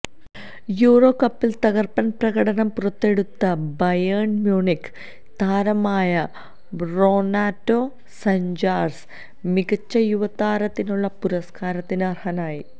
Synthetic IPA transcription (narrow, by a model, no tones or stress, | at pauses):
juːro̞ːkɐpːilt̪ɐɣɐrpɐnprɐɣɐɽɐnɐmpurɐt̪ːe̞ɽut̪ːɐbɐjɐːɳmjuːɳikː | t̪aːɾɐmaːjɐ | broːnaːtːoː | sɐɲd͡ʑaːrs | miɡɐt͡ɕːɐjuʋɐt̪aːɾɐt̪ːinuɭːɐpuɾɐskaːɾɐt̪ːinɐrhɐnaːji